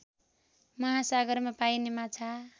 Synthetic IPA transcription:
mʌɦãsaɡʌɾmapajnemat͡sʰa

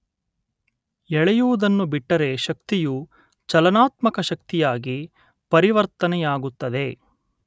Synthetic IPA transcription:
ɛɭɛjuʋud̪ɐnːubiʈːɐɾe̞ʃɐkt̪iju | t͡ʃɐlɐnaːt̪mɐkɐʃɐk̚t̪ijaːɡi | pɐɾiʋɐɾt̪ɐnɛjaːɡut̪ːɐd̪e̞

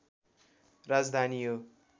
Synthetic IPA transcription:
rad͡zd̪ʱanijo

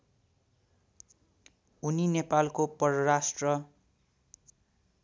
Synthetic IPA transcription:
uninepalkopʌrʌrasʈrʌ

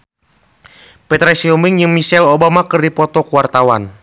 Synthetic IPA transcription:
pɛt̪ɾasiɔmiŋjɨŋmisɛlobamakɨrdipɔt̪ɔkuwart̪awan

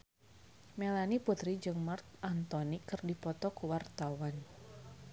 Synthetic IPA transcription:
mɛlaniput̪ɾid͡ʒɨŋmart̪̚ant̪ɔnikɨrdipɔt̪ɔkuwart̪awan

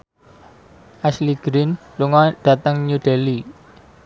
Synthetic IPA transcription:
ʔasliɡ̥ɾin | luŋɔɖ̥ä̤t̪əŋɲuɖ̥eli

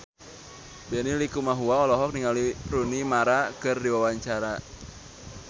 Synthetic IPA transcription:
bɛnilikumaɦuaɔlɔɦɔk̚niŋaliɾunimaɾakɨrdiwawaɲt͡ʃaɾa

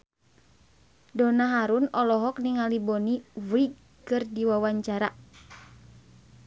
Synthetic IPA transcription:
dɔnaɦaɾunɔlɔɦɔkniŋalibɔniviɡ | kɨrdiwawaɲt͡ʃaɾa

